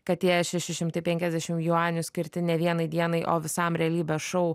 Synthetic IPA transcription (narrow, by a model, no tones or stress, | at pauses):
kɐt̪ːʲiɛʃʲɛʃʲɪʃʲɪmt̪ɐɪpʲɛŋʲkʲɛzd̪ʲæʃʲɪmjuɑːnʲʊsʲkʲɪɾʲt̪ʲɪnʲɛʋʲiɛnɐɪd̪ʲiɛnɐɪʔo̰ːʋʲɪsɐmɾʲɛɐlʲiːbʲɛʃɔʊ